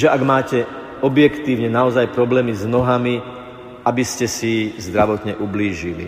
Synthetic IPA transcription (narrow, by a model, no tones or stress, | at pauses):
ʒɛʔaɡmaːcɛ | ɔbjɛkt̪iːʊɲɛnaɔzajpɾɔblɛːmiznɔɦami | abiscɛsizd̪ɾaʋɔt̪ɲɛʔubliːʒilḭ